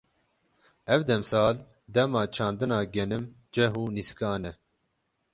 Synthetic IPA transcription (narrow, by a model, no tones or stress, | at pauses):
ɛvd̪ɛmsɑːl | d̪ɛmɑːt͡ʃʰɑːnd̪ɨnɑːɡɛnɨm | d͡ʒɛɦuːniskɑːnɛ